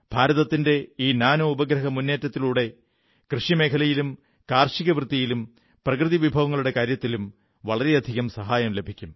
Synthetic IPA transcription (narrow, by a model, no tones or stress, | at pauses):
b̥ʱaːɾɐðɐt̪ːinde̞iːnaːnoubɐɡɾɐɦɐmunːe̞ːtːɐt̪ːiluːɽe̞ | krɨʂime̞ːkʰɐlɐjilum | kaːrʂiɣɐʋrɨt̪ːijilum | prɐkrɨðiʋibʱɐʋɐŋːɐɭuɽe̞kaːɾjɐt̪ːilum | ʋɐɭɐɾe̞ɐd̪ʱiɣɐmsɐɦaːjɐmle̞bʱikʲːum